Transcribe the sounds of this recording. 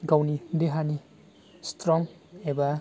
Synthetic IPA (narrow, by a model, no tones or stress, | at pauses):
ɡawnid̪eɦani | stɾɔŋ | eba